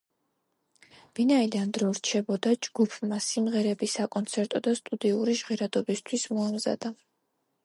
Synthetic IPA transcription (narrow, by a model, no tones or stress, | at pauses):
vinaid̪and̪ɾɔɾt͡ʃʰɛbɔd̪ad͡ʒɡupʰmasimʁɛɾɛbisakʼɔnt̪sʰɛɾt̪ʼɔd̪ast̪ʼud̪iuɾiʒʁɛɾad̪ɔbist̪ʰwismɔamza̰d̪̥a